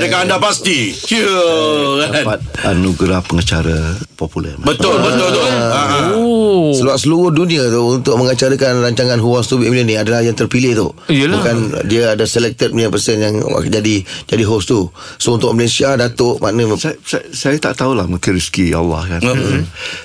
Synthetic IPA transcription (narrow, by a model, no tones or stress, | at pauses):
dəkaandapast̪i | kapat̪̚a̰nuɡɾapəŋət͡ʃaɾəpɔpulɛ̰mbət̪ʊlbətt̪ʊlt̪oa | səluaʔ̚səluɾʊhdunĩat̪uunt̪ʊʔ̚məŋat͡ʃaɾəkanraɲt͡ʃaŋanɦuaŋst̪ubiminənĩadalahjaŋt̪ərpilɪht̪uijəlbukan̰diəadasəlɛk̚t̪ət̪̚məliapəsɛnjaŋa̰d͡ʒadid͡ʒadiɦost̪usount̪ʊʔ̚məlesiadat̪oʔmʔanəsasasajat̪a̰ʔt̪aulahməkənɾiskia̰lːa̰hkan